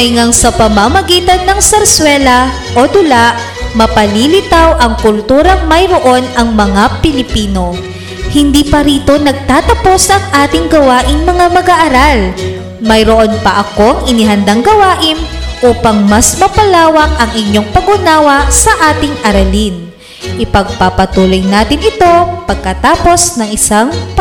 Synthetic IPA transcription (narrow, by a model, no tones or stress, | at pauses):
ɐjŋɐŋsɐpɐmɐmɐɡiːt̪ɐnːɐŋsɐɾswɛlɐ | ʔod̪ʊlaʔ | mɐpɐliːlɪt̪awʔɐŋkʊlt̪uːɾɐŋmɐjɾo̞ʔo̞nɐŋmɐŋapɪlɪpiːno̞ | hɪnd̪iːpɐɾiːt̪o̞nɐɡ̚t̪aːt̪ɐpo̞sʔɐŋʔaːt̪ɪŋɡɐwaːʔɪŋmɐŋamɐɡaʔɐɾal | mɐjɾoʔo̞npɐʔɐko̞ŋɪnɪɦɐnd̪aŋɡɐwaːʔɪnʔuːpɐŋmɐsmɐpɐlaːwɐkʔɐŋʔɪɲːo̞ŋpɐɡʊnaːwɐsɐʔaːt̪ɪŋʔɐɾɐlin | ʔɪpɐɡ̚pɐpɐt̪uːlojnaːt̪ɪnɪt̪o̞pɐɡ̚kɐt̪aːpo̞snɐŋɪsaŋp